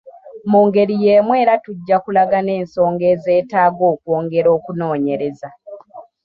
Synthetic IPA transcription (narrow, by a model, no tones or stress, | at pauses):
muːŋɡe̞ɾije̞ːmwe̞ːɾatuɟːakulaɡane̞ːnso̞ːŋɡe̞ːze̞ːtaːɡo̞ːkwoːŋɡe̞ɾo̞ːkuno̞ːɲe̞ɾe̞za